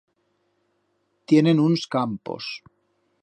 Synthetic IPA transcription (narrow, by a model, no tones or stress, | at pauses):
t̪je̞nenunskampo̰s